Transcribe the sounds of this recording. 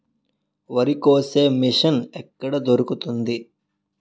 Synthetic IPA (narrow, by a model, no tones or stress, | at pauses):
ʋɐɾikoːseːmiʂɐnɛkːɐɽɐd̪oɾukut̪und̪i